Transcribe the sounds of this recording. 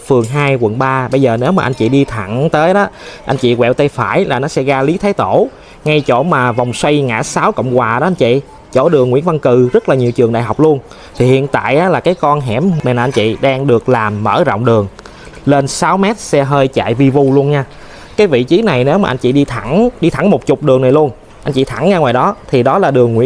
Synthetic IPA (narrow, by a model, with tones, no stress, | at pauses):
fɨ˨˩əŋɦaː˧jkwə̰˧˩nɓaː˧ɓə˧jzəː˨˩ne˨˦wmaː˨˩ʔa˧ŋ̟t͡ɕḭ˧˨ɗi˧t̪ʰa˧˩ŋt̪əː˨˦jɗɔ˨˦ʔa̰˧jn̟t͡ɕḭ˧˨kwɛ̰˧˨wt̪ə˧jfaː˧˩jlaː˨˩nɔ˨˦sɛ̰˧˥ɣaː˧li˨˦t̪ʰaː˨˦jt̪o˧˩ | ŋa˧jt͡ɕo̰˧˩maː˨˩va˨˩wŋ͡mswa˧jŋa̰ː˧˥saː˨˦wkə̰˧˨wŋ͡mkwaː˨˩ɗɔ˨˦ʔjn̟t͡ɕḭ˧˨ | t͡ɕo̰˧˩ɗɨ˨˩əŋːḭ˧˥ənva˧nkɨ˨˩zə˦˥t̚laː˨˩ɲi˨˩əwt͡ɕɨ˨˩əŋɗa̰ː˧˨jɦa˨˩wk͡p̚lu˧ən | t̪ʰi˨˩hḭ˧˨ənt̪a̰ː˧˨jʔaː˨˦laː˨˩kaː˨˦jkɔ˧nɦɛ˧˩ma˨˩nlaː˨ʔa˧nt͡ɕḭ˧˨ɗaː˧ŋɗɨ˨˩ək̚laː˨˩mːə̰ː˧˩zɔ̰˧˨wŋ͡mɗɨ˨˩əŋ | le˧nsaː˨˦wmɛ˦˥t̚sɛ̰˧ɦəː˧jt͡ɕa̰ː˧˨jvi˧vu˧lu˧ənɲaː˧ | kaː˨˦jvḭ˧˨t͡ɕi˨˦na˨˩jne˨˦wmaː˨ʔa˧n̟t͡ɕḭ˧˨ɗi˧t̪ʰa˧˩ŋɗi˧t̪ʰa˧˩ŋmo˨˩t̚t͡ɕʊ˨˩k͡p̚ɗɨ˨˩əŋna˨˩jlu˧ən | ʔa˧nt͡ɕḭ˧˨t̪ʰa˧˩˦ŋɲaː˧ŋwaː˨˩jɗɔ˨˦t̪ʰi˨˩ɗɔ˨˦laː˨˩ɗɨ˨˩əŋːwi˧˥ə